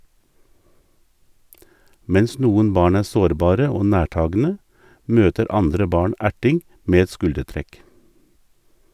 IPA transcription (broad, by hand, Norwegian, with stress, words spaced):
ˈmɛns ˈnuːən ˈbɑːɳ ˈæː ˈsoːɾˌbɑːɾə ˈoː ˈnæːˌʈɑːɡn̩ə ˈmøːtəɾ ˈɑndɾə ˈbɑːɳ ˈæʈɪŋ ˈmeː ˈɛt ˈskʉldəˌtɾɛk